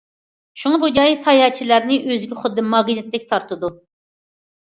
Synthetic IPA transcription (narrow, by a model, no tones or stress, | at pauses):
ʃuŋɑbud͡ʒɑjsɑjɑːt͡ʃʰilæɾnɪʔøzɡʲɛχʊd̪ːɨmɑʁinɪt̪lɪkʲt̪ʰɑɾt̪ʰɨd̪u